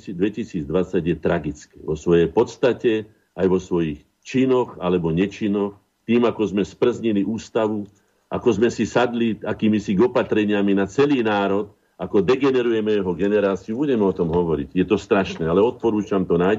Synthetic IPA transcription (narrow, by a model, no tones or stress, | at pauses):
d̪ʋɛcisiːd͡zd̪ʋat͡saɟjɛt̪ɾaɡit͡skɛːʋɔsʋɔjɛjpɔt̪st̪acɛ | ajʋɔsʋɔjix | t͡ʃinɔxalɛbɔɲɛt͡ʃinɔx | t̪iːmakɔzmɛspr̩zɲiliʔuːst̪aʋu | ʔa̰kɔzmɛsisad̪liakiːmisiɡɔpat̪ɾɛɲɪaminat͡sɛliːnaːɾɔt̪ | akɔd̪ɛɡɛnɛɾujɛmɛjɛɦɔɡɛnɛɾaːt͡siubuɟɛmɛɔt̪ɔmɦɔʋɔɾḭɟjɛt̪ɔst̪ɾaʃnɛːalɛɔt̪̚pɔɾuːt͡ʃamt̪ɔnaj